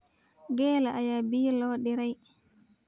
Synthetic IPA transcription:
ɡɛːlaʔajabiːlɔːɗiɾaj

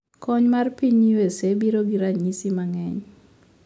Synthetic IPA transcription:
kɔɲmarpiɲiwesebiɾoɡiɾaisimaŋɛɲ

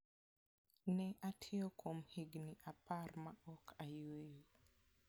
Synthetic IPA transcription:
nɛʔatʰɪokʰomhiɡniʔapʰarmaɔkʰajwejo

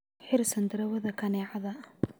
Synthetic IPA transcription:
ħɪrsɐnd̪ɪɾɐwɐðɐkʰɐnɛːʕɐðɐ

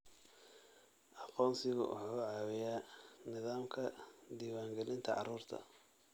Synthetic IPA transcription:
ʔɑqɔːnsɪɣʊ̰ʔʊ̰ħuːʕɑːwɪjaːnɪðaːmkʰɐd̪iːwaːŋɡɛlɪnt̪ʰɐ̰ʕɑ̰ɾuːrt̪ʰɐ̰

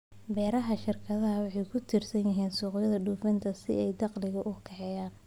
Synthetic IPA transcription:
bɛːɾɐɦɐʃɪrkʰɐðɐɦɐwɑħɑjkʰʊt̪ʰirsɐnjɐɦiːnsuːqjɐðɐɖuːfɪnt̪ʰɐsɪ̰ɛjd̪ɑqlɪɣɐʔʊkʰɐħɛjaːn

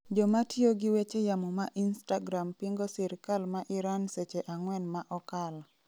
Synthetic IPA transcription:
d͡ʒɔmatjoɡiwet͡ʃejamɔmaʔinstaɡɾampiŋɡosiɾkalmaʔɪɾanset͡ʃeʔaŋwɛnmaʔɔkal

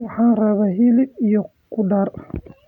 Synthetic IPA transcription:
wɑħɑːnrɐβaːɦɪlɪbijɔ | kʰʊɖɐr

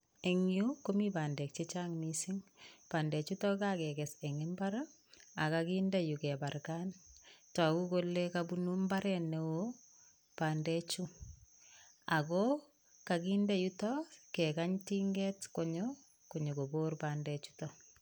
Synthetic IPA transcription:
eŋjukomibandɛk̚t͡ʃet͡ʃaŋnisiŋpandɛt͡ʃutɔkakɛkɛsɛŋɪmbaɾa | akakindejukɛbarkantɔkukolekabunumbaɾɛnːewo | pandɛt͡ʃu | ako | kakindejutɔkɛkaɲtiŋɡɛtkoɲɔ | koɲokoborpandɛt͡ʃu̥tɔ

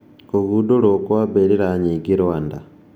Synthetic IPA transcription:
oɣudoɾokwabeɾiɾaɲiɡiɾwanda

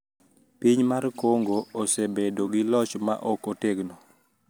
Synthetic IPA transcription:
piɲmarkoŋɡoːsebedoɡilɔt͡ʃma̰ʔɔkoteɡno

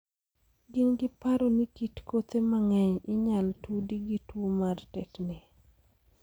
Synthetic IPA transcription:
ɡɪnɡɪpaɾonikitkot̪emaŋɛɲɪɲaltudiɡitwomartɛknɪ

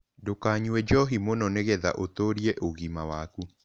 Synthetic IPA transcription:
dokaːɲuɛd͡ʒɔɦimonɔneɣɛða̰ʔotoɾiɛʔoɣimawaku

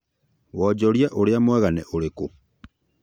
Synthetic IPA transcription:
wɔd͡ʑɔɾjaʔoɾeamwɛɣanɛʔoɾeko

